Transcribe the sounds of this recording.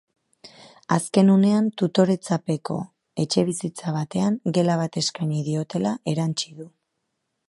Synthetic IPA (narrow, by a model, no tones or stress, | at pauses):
aske̞nune̞ant̪ut̪o̞ɾe̞t͡sape̞ko̞̰ | e̞t͡ʃe̞β̞isit͡saβ̞at̪e̞aŋɡe̞laβ̞at̪e̞skaɲiðio̞t̪e̞laʔe̞ɾant͡ʃiðu